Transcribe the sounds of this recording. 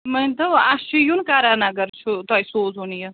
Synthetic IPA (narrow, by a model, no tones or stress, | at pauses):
mɐnt̪ɐʋast͡ʃʰijunkaːɾaːnɐɡɐɾt͡ʃʰut̪aːjsoːzunjɐ